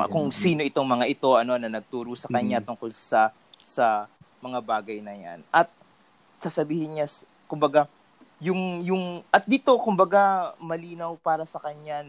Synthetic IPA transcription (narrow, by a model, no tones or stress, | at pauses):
kʊŋsiːno̞ʔɪt̪o̞ŋmɐŋaʔɪt̪o̞ʔɐno̞nɐnɐɡ̚t̪uːɾusɐkɐɲat̪ʊŋko̞lsɐ | sɐmɐŋabaːɡɐjnɐja̰nɐt̪̚ | sasɐbiːhɪnɲa | kʊmbɐɡa | jʊŋjʊŋʔɐt̪̚d̪it̪o̞kʊmbɐɡamɐliːnɐwpaːɾɐsɐkɐɲa